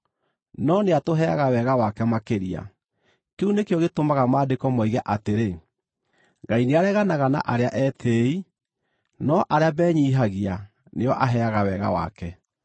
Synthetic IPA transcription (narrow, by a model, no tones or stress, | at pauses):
nɔneatoɦɛaɣawɛɣawakɛmakeɾia̰ | keunekeɔɣetomaɣamaːdekɔmɔiɣɛʔateɾe | ɡaineaɾɛɣanaɣana̰ʔaɾeaʔɛtʰeːi | nɔʔaɾeabɛːɲiːɦaɣia | neɔʔaɦɛaɣawɛɣa̰wa̰kɛ